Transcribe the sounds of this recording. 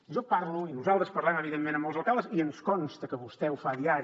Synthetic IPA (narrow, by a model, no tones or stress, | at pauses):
ʒɔpaɾluinuzalˠt̪ɾəspəɾlɛməβiðemːẽnəmbəlˠzəlˠkalˠəziənskɔnst̪əkəβust̪ɛufaðiaɾi